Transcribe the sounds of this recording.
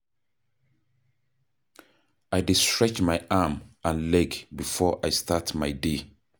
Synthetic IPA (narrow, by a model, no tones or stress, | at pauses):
ajdistɹɛt͡ʃmajʔamãnlɛɡbifɔʔajstʰatmaɪde